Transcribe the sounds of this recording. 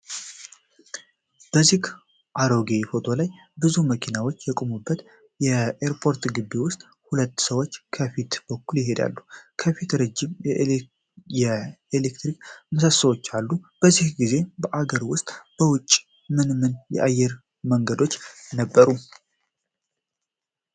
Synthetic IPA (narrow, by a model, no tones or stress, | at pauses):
b̥əzik | ʔaɾoɡefo̞t̪ʼʰo̞laj | bɨzuməkʰinawo̞t͡ʃːjɛkʼomubːət̪ | jɛeɾpʰo̞ɾt̪ɡɨbːewʊst̪ʼ | hulət̪ːsəwo̞t͡ʃːkʰəfit̪b̥əkːuljɪɦe̞d̪a̰lːukʰəfit̪ɾəd͡ʒːɪmjɛ | jɛelekt̪ɾikməsəsːəwo̞t͡ʃːalːub̥əzihɡize̞bəʔaɡəɾwʊst̪ʼb̥əwʊt͡ʃʼː | mɨnmɨnjɛ̰ʔajːɛɾ | məŋɡəd̪o̞t͡ʃːnəbːəɾu